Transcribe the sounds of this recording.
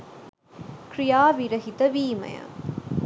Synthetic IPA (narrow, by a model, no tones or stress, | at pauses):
kɾɪjaːʋiɾɐɦɪt̪ɐʋiːmɐ̰jɐ̰